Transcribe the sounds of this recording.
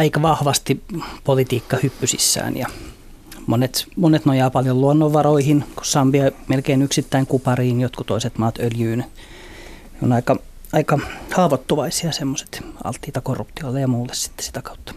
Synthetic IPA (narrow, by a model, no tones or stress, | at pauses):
ɑikɑʋɑhʋɑst̪ipolit̪iːkːɑhypːysḭsːæ̰ːnjɑ̰ | monet̪monet̪nojɑːpɑljolluonːoʋːɑroihinku̥sːɑmbiɑmelkeinyksit̪ːæiŋkupɑriːnjot̪kut̪oiset̪mɑːt̪øljyːn | no̰nɑikɑ | ɑikɑhɑːʋot̪ːuʋɑisiɑsemːose̥t̪ʔɑ̰lt̪ːiːt̪ɑkorːupt̪iolːejɑmuːlːessi̥t̪ːe̥si̥t̪ækɑu̥t̪ːɑ̥